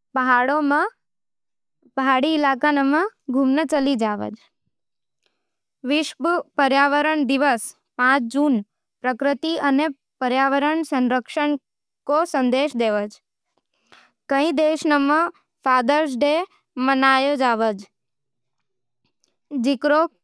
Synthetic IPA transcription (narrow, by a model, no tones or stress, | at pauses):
pəɦaɽomə̃ | pəɦaɽiːlakanəməɡʱumnət͡ʃəlid͡ʒaːʋə̰d͡ʒ | ʋɪʃʋpəɾjaːʋəɾəɳd̪ɪʋəs | pãt͡ʃd͡ʒuːn | pɾəkɾət̪iəne | pəɾjaʋəɾəɳsə̃nɾəkʃəɳ | kosə̃nd̪eʃd̪eʋəd͡ʒ | kəĩd̪eʃnəmə | faːd̪əɾs̬ɖe | mənajod͡ʒaʋəd͡ʒ | d͡ʒikɾo